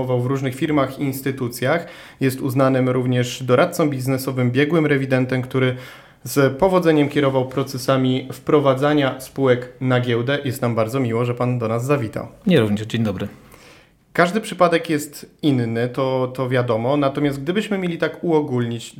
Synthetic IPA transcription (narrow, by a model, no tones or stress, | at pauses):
ɔvawvɾuʐnɘxfʲiɾmaxiːnst̪ɘt̪ut̪sʲjax | jɛst̪uznanɘmɾuvɲɛʂd̪ɔɾʔat̪t̪sɔ̃mbʲiznɛsɔvɘmbʲjɛɡwɘmɾɛvʲid̪ɛnt̪ɛmkt̪uɾɘ | zpɔvɔd̪zɛɲɛmkʲjɛɾɔvawpɾɔt̪sɛsamʲifpɾɔvad̪zaɲaspuwɛknaɡʲjɛwd̪ɛjɛst̪nambaɾd̪ɔmʲiwɔʐɛpand̪ɔnazːavʲit̪a̰wɲɛɾuvɲɛd͡ʑeɲd̪ɔbɾɘ | kaʐd̪ɘpʂɘpad̪ɛkjɛst̪inːɘt̪ɔt̪ɔvʲjad̪ɔmɔnat̪ɔmʲjast̪̚ɡ̚d̪ɘbɘɕmɘmʲjelʲit̪akuɔɡulʲɲit͡ɕ